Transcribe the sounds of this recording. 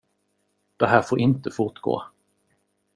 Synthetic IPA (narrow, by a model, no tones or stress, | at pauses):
d̪̥ɛɦæːɾfoːɾʔɪnt̪əfʊʈɡo̰ː